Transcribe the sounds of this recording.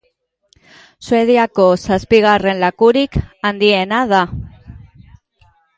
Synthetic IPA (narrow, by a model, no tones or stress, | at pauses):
sue̞ð̞iako̞saspiɣ̞are̞nlakuɾikand̪ie̞naða